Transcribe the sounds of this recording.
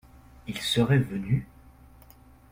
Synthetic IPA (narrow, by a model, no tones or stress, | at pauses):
ilsəʁɛvəny